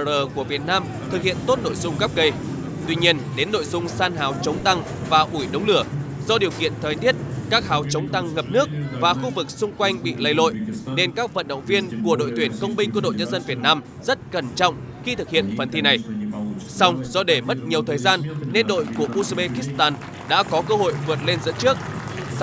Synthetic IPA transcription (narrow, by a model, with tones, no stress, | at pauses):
əː˨˩ku˧˩əvi˨˩ət̚naː˧m | t̪ʰɨ˨˩k̚hḭ˧˨ənt̪o˦˥t̚no̰˧˨jzʊ˧ŋ͡mɣa˦˥p̚ɣə˧j | t̪wi˧ɲi˧ənɗe˨˦nːo̰˧˨jzʊ˧ŋ͡msaː˧nɦaː˨˦wt͡ɕə˨˦wŋ͡mt̪a˧ŋ | vaː˨˩ʔu˧˩jɗə˨˦wŋ͡mlɨ˧˩əzɔ˧ɗi˨˩əwkḭ˧˨ənt̪ʰəː˨˩jt̪ʰi˦˥ət̚kaː˦˥k̚haː˨˦wt͡ɕə˨˦wŋ͡mt̪a˧ŋŋə˨˩p̚nɨ˦˥ək̚vaː˨˩xu˧vɨ˨˩k̚sʊ˧ŋ͡mkwa˧jŋ̟ɓḭ˧˨lə˧jlo̰˧˨jne˧nkaː˦˥k̚və̰˧˨nɗə̰˧˨wŋ͡mvi˧ənku˧˩əɗo̰˧˨jt̪wi˧˩ənkə˧wŋ͡mɓï˧ŋ̟ku˧˩əɗo̰˧˨jɲə˧nzə˧nvi˨˩ət̚naː˧m | z̥ə˦˥t̚kə˧˩nt͡ɕɔ̰˧˨wŋ͡m | xi˧t̪ʰɨ˨˩k̚hḭ˧˨ənfə˨˩nt̪ʰi˧na˨˩jsa˧wŋ͡mzɔ˧ɗe˧˩mə˦˥t̚ɲi˨˩əwt̪ʰəː˨˩jzaː˧nːe˧nɗo̰˧˨jku˧˩əɓu˧sa˧ɓe˧xi˦˥st̪aː˧n | ɗa̰ː˧˥kɔ˨˦kəː˧ɦo̰˧˨jvɨ˨˩t̚le˧nzɨ̰˧˥t͡ɕɨ˦˥ək̚